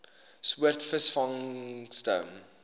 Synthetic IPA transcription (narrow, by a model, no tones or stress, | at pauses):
suərtfəsfɐŋstə̰m